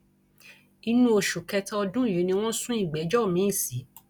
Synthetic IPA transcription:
i˧nũ˦o˧ʃu˨kɛ˧tɔ˦ɔ˧dũ˦˨ji˨˦nĩ˧w̃ɔ̃˦sũ˦i˦˨ɡ͡be˨˦d͡ʒɔ˦˨mĩ˨˦i˦˨si˨˦

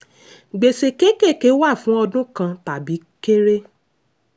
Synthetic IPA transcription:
ɡ͡be˨se˨ke˦ke˦˨ke˨˦wa˦˨fũ˨˦ɔ˧dũ˦kã˧ta˨bi˨˦ke˦ɾe˦

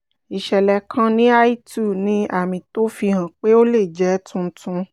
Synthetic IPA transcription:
i˨ʃɛ˨lɛ˧kʰã˦nĩ˦a˦i˦tu˦˨nĩ˦a˦˨mĩ˧to˦fi˧ɦã˨k͡pe˦o˦le˦˨d͡ʒɛ˨˦tʰũ˧˦tũ˧

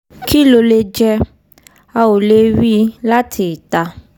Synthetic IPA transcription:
kʰi˦lo˧le˧d͡ʒɛ˦˧ | a˧wo˨le˦wi˦la˦tʰi˨ta˧

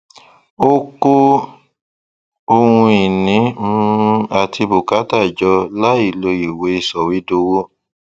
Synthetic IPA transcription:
o˦ko˦ | o˧hũ˧i˨nĩ˨˦u˦ũ˧a˨tʰi˧bo˨ka˨˦ta˦˨d͡ʒɔ˧la˦i˦˨lo˧ji˨we˨˦i˧˨sɔ˨wi˨˦do˧wo˦

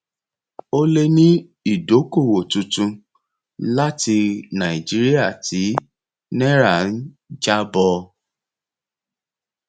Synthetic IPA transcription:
o˦le˧nĩ˦ | i˦˨do˨˦ko˦˨wo˨tũ˧tũ˧ | la˦ti˧nã˨i˨d͡ʒi˨˦ɾi˦a˦˨tʰi˨˦ | nɛ˦ɾa˦˨n̩˦ | d͡ʒa˦bɔ˧

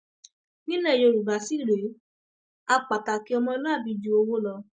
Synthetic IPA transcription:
nĩ˦lɛ˦˨jo˧ɾu˨ba˨˦si˦˨ɾe˨˦ | a˧k͡pa˨ta˨ki˨˦ɔ˧mɔ̃˧˦nũ˦a˦˨bi˨˧d͡ʒu˧˦o˧wo˦lɔ˧

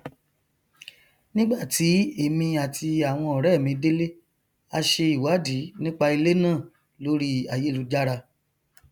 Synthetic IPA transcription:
nĩ˦ɡ͡ba˦˨ti˨˦e˦˨mĩ˧a˨tʰi˧a˨w̃ɔ̃˧ɔ˨ɾɛ˦˨mĩ˨˧de˦le˦ | a˧ʃe˧i˨wa˨˦di˨˦nĩ˦k͡pa˧i˧le˦nãː˦˨ | lo˨˦ɾi˦a˨je˨˦lu˨˧d͡ʒa˦ɾa˧

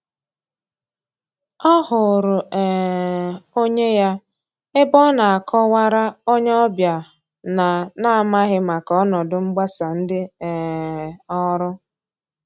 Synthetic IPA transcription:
ɔ˦ɦʊ˨ɾʊ˨ɛ˨ | o˦ɲe˦ja˦ | ɪ˦bɔ˦na˨a˨kʰɔ˦wa˦ɾa˦o˦ɲe˦ɔ˦bja˨ | na˨na˦˨ma˦ɣɪ˦ma˨kɔ˦nɔ˨dʊ˨ŋ͡m̩˦ɡ͡ba˦sa˨n̩˦dɪ˦ɛ˨ | ɔ˦ɾʊ˦

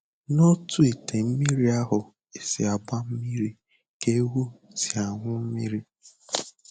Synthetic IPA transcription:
no˦tu˦e˨te˨m̩˦mi˦ɾi˦a˦ɦʊ˨ | e˨sɪ˨a˨ɡ͡ba˦m̩˦mi˦ɾi˦˨ | ke˦wu˦si˨a˨ŋʷʊ˦m̩˦mi˦ɾi˦

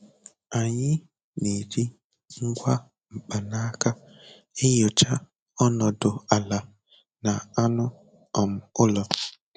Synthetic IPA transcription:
a˨ɲɪ˦ | ni˨di˦ | ŋ̩˦ɡʷa˦ | ŋ͡m̩˨k͡pa˨na˦ka˦ | ɪ˦ɲʊ˨t͡ʃa˦ | ɔ˦nɔ˨dʊ˨a˨la˨ | na˨a˦nʊ˦ | ɔ˨m̩˨ʊ˦lɔ˨

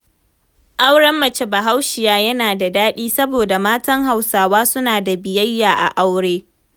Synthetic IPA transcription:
ʔa˦wɽɐ˦mːɐ˨t͡ʃe˦ba˨ɦa˦wʃɪ˨jaː˦jɐ˦naː˨da˨daː˦ɗiː˦sɐ˦boː˨da˨maː˦tɐ˦ŋɦa˨wsaː˨waː˦sʊ˦naː˨da˨bɪ˨jɐ˦jːaː˨ʔa̰˨ʔa˦wɽeː˦

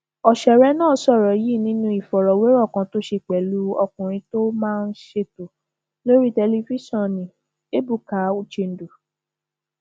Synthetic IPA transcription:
ɔ˨ʃɛ˨ɾɛ˦nãː˦˨˦sɔ˦˨ɾɔ˨ji˦˨nĩ˦nũ˧˦i˨fɔ˨ɾɔ˨we˦ɾɔ˦˨kã˨˧to˦ʃe˧˨k͡pɛ˨˦lu˦ɔ˧kũ˨ɾ̃ĩ˧˦to˦mãː˦˧n̩˦ʃe˧to˨ | lo˦ɾi˦tɛ˧li˧fi˦sɔ̃˦˨nĩ˨ | e˦bu˦˨ka˨˦u˧t͡ʃe˧n̩˨du˨

